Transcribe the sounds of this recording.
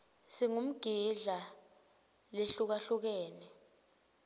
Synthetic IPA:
siŋum̩ɡ̥ʱiɮa | leɬuk̬aɬuk̬ɛːnɛ

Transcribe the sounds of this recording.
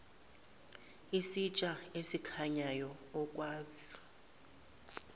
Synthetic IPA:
isit͡ʃʼaesikʰaɲajɔɔkʼwaːzi

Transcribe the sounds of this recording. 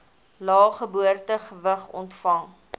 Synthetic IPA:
lɑːχəbuərtəχəvəχɔ̰ntfɐŋ

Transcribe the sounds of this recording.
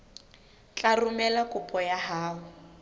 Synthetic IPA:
t͡ɬʼarʊmɛlakʼʊpʼɔjaɦaːwʊ

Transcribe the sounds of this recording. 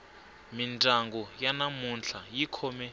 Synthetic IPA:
mintʼaŋɡɔjanamunɬajikʰɔmɛ

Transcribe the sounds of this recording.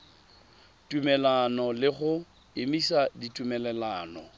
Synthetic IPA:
tʼumɛlanɔlɪχʊ | ɪmisaditʼumɛlɛlaːnɔ

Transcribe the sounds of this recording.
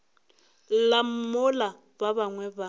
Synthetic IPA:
lam̩mʊla | babaŋwɛba

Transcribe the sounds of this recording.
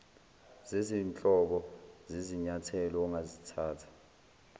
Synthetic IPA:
zeziːnt͡ɬʼɔɓɔzeziɲatʰɛlɔːŋazitʰaːtʰḁ

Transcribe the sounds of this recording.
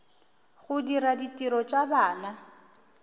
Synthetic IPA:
χʊdiɾaditʼiɾɔt͡ʃʼabaːna

